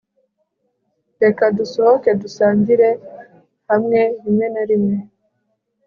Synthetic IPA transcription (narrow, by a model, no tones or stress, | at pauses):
de̞kadusoɦoke̞dusaːɲɟiɾe̞ | hamŋe̞ɾimŋe̞naɾimŋe